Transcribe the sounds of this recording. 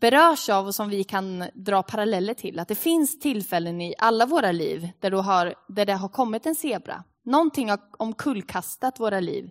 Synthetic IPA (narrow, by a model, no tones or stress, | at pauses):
b̥ɛɾœːʂavɔsɔmvɪkʰand̪ɾɑːpʰaɾalɛlːəʈʰɪlʔat̪̚d̪ɛfɪnst̪ʰɪlːfɛlːənɪʔalːavoːɾalḭːvd̪̥æɖɔɦaɾd̪æɖɛɦaɾkʰɔmːɪt̪ɛnseːbɾa̰ | nɔnt̪ʰɪŋːhaɔmkʰɵlːkʰast̪at̪voːɾalḭːv